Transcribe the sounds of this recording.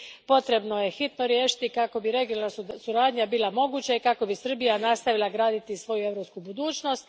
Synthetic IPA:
po̞t̪ɾe̞bnoje̞xit̪noɾjeːʃi̥t̪ikako̞biɾe̞ɡiolnasuɾaːd̪ɲabilˠamo̞ɡuːt͡ɕaikako̞bisr̩bijanast̪aʋilˠaɡɾaːd̪it̪isʋo̞jue̞vɾopskubud̪uːt͡ʃno̞st̪

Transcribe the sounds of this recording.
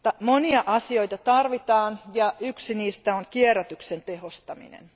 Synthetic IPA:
t̪ːɑmoniɑʔɑsio̞jt̪ɑt̪ɑrʋit̪ɑːnjɑyksiniːst̪æoŋkieræt̪yksent̪ehost̪ɑmḭnḛn

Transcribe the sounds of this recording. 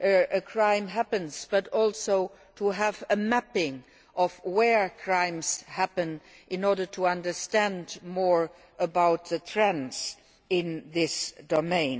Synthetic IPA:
ʔɨɨkʰɹ̥ãɪ̃mɦæpɨ̃nz̥b̥ʌɾɔlˠsoʊ | tʰəəvɨmæpɪ̃ŋ | ʔʌvwɛ˞kʰɹ̥ãɪ̃mz̥hæpɨ̃n | ʔɪ̃nɔɹɾə˞tʰəʌ̃ndə˞stæ̃ndmɔɹ | ʔəbaʊt̪̚ðɨtʰɹ̥ɛ̃nz̥ | ɪ̃nðɪsd̥omẽɪ̃n

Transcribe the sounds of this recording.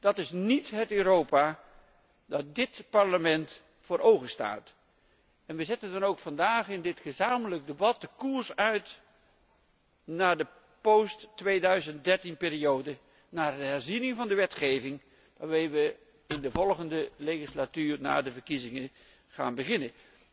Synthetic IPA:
d̥ɑtɪsnitɦətøːɾowpa | dɑt̚dɪtpɑɹləmɛnt | fʊːɾʔowχəsta̰ːt | ɛnʋəzɛtəndɑnowkfɑndaːχɪndɪtχəzaːmələk̚debɑt̚dəkuːɹsœɥt | naːdə | powstːʋejdœɥzənt̚dɛɹtinpɪːɾiowdə | naːrəɦɛɹzinɪŋvɑndəʋɛtχejvɪŋ | ʋaːɹmejʋə | ɪndəvɔlˠχəndəlejχislatyːɹna̰ːdəvəɹkizɪŋə | χa̰ːnbəχɪnə

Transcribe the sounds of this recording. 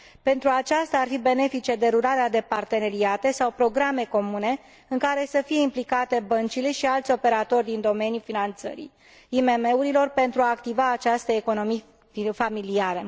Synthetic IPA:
pe̞nt̪ɾuat͡ʃast̪aːrfibe̞ne̞fit͡ʃe̞d̪e̞ɾuɾaɾead̪e̞part̪e̞ne̞ɾiat̪e̞sawpɾo̞ɡɾame̞ko̞mune̞ | ɨŋkaɾe̞səfije̞implikat̪e̞bənt͡ʃile̞ʃialt̪sʲo̞pe̞ɾat̪o̞rʲd̪ind̪o̞me̞njufinant̪sə̰ɾḭ | ime̞me̞uɾilo̞rpe̞nt̪ɾuaːkt̪ivaːt͡ʃast̪əeko̞no̞mij | familiaɾə

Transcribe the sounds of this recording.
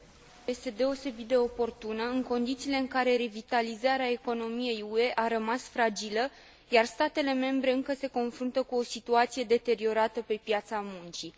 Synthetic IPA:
jest̪e̞d̪e̞o̞se̞bit̪̚d̪e̞o̞po̞rt̪unəɨŋko̞nd̪it̪siːle̞ɨŋkaɾe̞ɾevit̪alizaɾeae̞ko̞no̞mije̞jue̞ʔaɾəmasfɾad͡ʒilə | jarst̪at̪e̞le̞me̞mbɾe̞ɨŋkəse̞ko̞nfɾunt̪əkuo̞sit̪uat̪sije̞d̪e̞t̪e̞ɾio̞ɾat̪əpe̞pjat̪samunt͡ʃi

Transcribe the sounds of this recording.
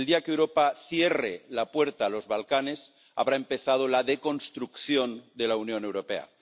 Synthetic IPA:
ld̪iakewɾopaθjerelapweɾt̪aːlo̞zβalkane̞s | a̰βɾaempeθað̞olaðeko̞nst̪ɾukθjo̞nd̪e̞launjõ̞newɾopea̰

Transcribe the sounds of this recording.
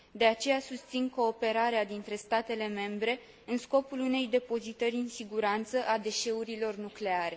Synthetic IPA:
d̪e̞at͡ʃe̞jasust̪sinko̞ːpe̞ɾaɾead̪int̪ɾe̞st̪at̪e̞le̞me̞mbɾe̞ | ɨnsko̞pulune̞jd̪e̞po̞zit̪əɾʲɨnsiɡuɾant̪səʔad̪e̞ʃe̞uɾilo̞rnukle̞aɾe̞

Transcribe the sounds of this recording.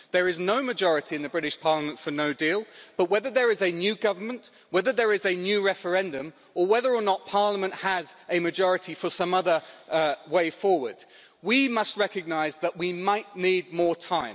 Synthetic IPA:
ðə˞ɪznoʊmɨd͡ʒɔɹɨɾʰiɨ̃nðɨbɹɪɾɪʃpʰɑɹləmə̃ntfə˞noʊdiːlˠb̥ʌʔ̚wɛðəðə˞ɪzɨnjʉːɡʌvəmə̃nʔ | wɛðəðə˞ɪzɨnjʉːɹɛfə˞ɛ̃ndɨ̃m | əwɛðə˞ənət̚pʰɑɹləmə̃nʔhəzʔɨmɨd͡ʒɔɹɨɾifəsʌ̃mʌðə˞weɪfɔːwə˞d̥ | wimʌst̚ɹɛkɨɡ̚naɪzðəʔwimaɪʔniːd̚mɔɹtʰãɪ̃m

